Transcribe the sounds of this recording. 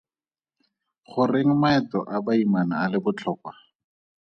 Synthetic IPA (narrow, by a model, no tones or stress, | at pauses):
χʊreŋ̩maɛtɔ̰ʔabaimanaːlɪbʊt͡ɬʰɔːkwa